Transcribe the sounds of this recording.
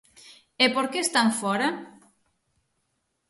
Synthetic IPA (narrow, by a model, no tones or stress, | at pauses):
epoɾkest̪aɱfɔɾa